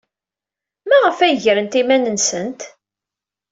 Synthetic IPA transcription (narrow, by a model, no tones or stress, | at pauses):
mæʁəfæjʝɾənt̪imænənsənt̪